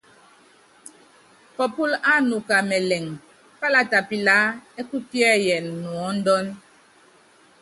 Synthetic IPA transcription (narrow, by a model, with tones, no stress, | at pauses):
fɔ˨pu˦la˦nu˨ka˨mɛ˨lɛ˨ŋ | fa˦la˨ta˨pi˨la˦ɛ˦ku˦pjɛ˦jɛ˨nː˨wɔ˨˦n̩˦dɔ˦n